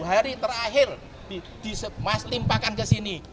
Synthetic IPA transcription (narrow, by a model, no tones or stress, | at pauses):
ɦaɾit̪əraɦɪr | d̥id̪̥i̤səmaslimpakankəsini